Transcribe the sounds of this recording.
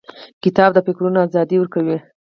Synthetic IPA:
kɪt̪ɑbd̪əpekɾunoazɑd̪iwəɾkawi

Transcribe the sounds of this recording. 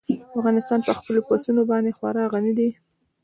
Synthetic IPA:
afɣɑnɪst̪ɑnpəxpəloposunobɑnd̪exwaɾɑɣanid̪i

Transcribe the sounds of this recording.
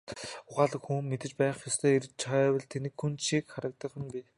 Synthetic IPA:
ʊχaːɮə̆kxuːŋmet̪ɘ̆t͡ɕpæːχjɔst̪ʰeːirt͡ɕʰawə̆ɮt̪ʰenɘ̆kxunʃikχaɾə̆k̚t̪ə̆kxŭnpi

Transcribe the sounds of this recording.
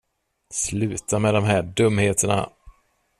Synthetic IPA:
slʉ̟ːt̪amɛd̪ɔmɦæːɖɵmːheːt̪ʰəɳa̰

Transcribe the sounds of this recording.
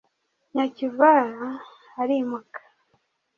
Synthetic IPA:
ɲacivaɾaː | ɾimakḁ

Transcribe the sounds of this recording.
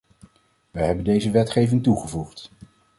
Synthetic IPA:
ʋəjɦɛbəndejzəʋɛtχejvɪŋtuχəvuχt

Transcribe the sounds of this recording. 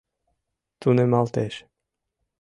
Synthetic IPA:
t̪unɛmalˠt̪ɛʃ

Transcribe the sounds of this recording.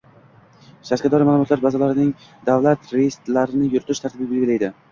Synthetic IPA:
ʃaɾkʲad̪ɒɾɪmaːlˠʊmɒɔt̪laɾbazɒlaɾɪnɪŋ | d̪avlat̪ɾest̪laɾɪnɪjʊɾt̪ɪʃt̪ʰaɾt̪ʰɪbɪbelɡʲɪlajd̪ɪ

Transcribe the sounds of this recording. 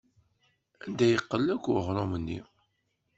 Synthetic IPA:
ænd̪æjəqːəlːækʷʊʁɾˤomənːḭ

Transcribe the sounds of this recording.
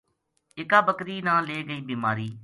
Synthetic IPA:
ɪkaːbəkɾiːnãːleːɡəiːbiːmaːɾiː

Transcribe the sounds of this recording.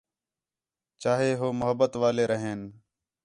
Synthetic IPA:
t͡ʃaːɦeːɦoːmʊɦəbːət̪ʋaːleːɾəɦeːn

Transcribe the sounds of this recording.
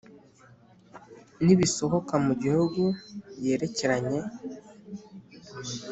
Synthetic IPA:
niβiso̞ho̞kamuɟihuɡubje̞ːɾe̞ceɾaɲe̞

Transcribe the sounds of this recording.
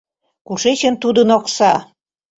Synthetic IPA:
kuʃet͡ɕə̆nt̪ud̪ə̆noksɑ

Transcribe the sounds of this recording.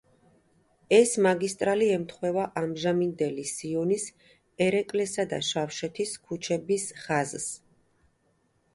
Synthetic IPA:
ɛsmaɡist̪ʼɾaliɛmt̪ʰχwɛvaʔamʒamind̪ɛlisiɔnis | ɛɾɛkʼlɛsad̪a̰ʃafʃɛt̪ʰiskʰut͡ʃʰɛbisχazs

